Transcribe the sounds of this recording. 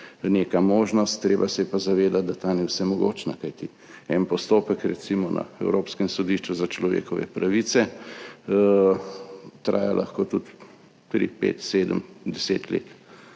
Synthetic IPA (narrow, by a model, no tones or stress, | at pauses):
neːkamoːʒnɔst̪ːɾeːbasɛjɛpazaʋeːd̪at̪̚d̪at̪anɛwsɛmɔɡo̰ːt͡ʃnakajt̪i | ɛnpɔst̪oːpəkɾɛt̪simɔna̰ɛwɾoːpskɛmsɔd̪iʃt͡ʃuzat͡ʃlɔʋḛːkɔʋɛ̰pɾaʋit̪sɛ | t̪ɾa̰ːjalʔa̰xkot̪ut̪ | t̪ɾḭpḛːt̪seːd̪əmd̪ɛseːt̪lḛːt̪